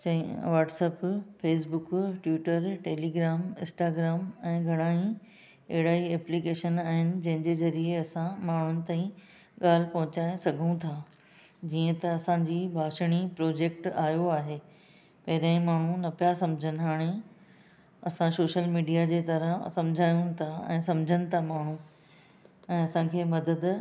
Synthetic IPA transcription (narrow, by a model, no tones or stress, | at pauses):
t͡ɕɐ̃ʋaːʈsɛːpfeːs̬bʊkʈʋɪːʈəɾʈeːliːɡɾaːmɪ̃nsʈaːɡɾaːmɛ̃ːɡʱɐɽ̃aːĩ | ɐɦɪɽaːiɛːplikeːʃənaːɦɪnɪ̆d͡ʑɐ̃ɦɪ̃ɲd͡ʑeːzɐɾieɐsãmaːɳ̤ʊnɪ̆t̪ãːĩ | ɠaːl̤ɪpɐ̃ɦʊ̃t͡ɕaːẽsɐɡʱũt̪ʰaː | d͡ʑiːə̃t̪ɐɐsãd͡ʑiːbʱaːʃɽ̃ipɾɔːd͡ʑeːkʈaːjoaːɦeː | pɐɦɪɾãːĩmaːɳ̤ũnɐpijasɐ̃md͡ʑʱənɪ̆ɦaːɽ̃e | ɐ̰sãsoːʃəlmiːɖijad͡ʑeːt̪ɐɾəsɐ̃md͡ʑʱaːjũt̪ʰaɛ̰̃ːsɐ̃md͡ʑʱənɪ̆t̪ʰamaːɳ̤ũ | ɛ̃ːɐsãkʰeːmɐd̪əd̪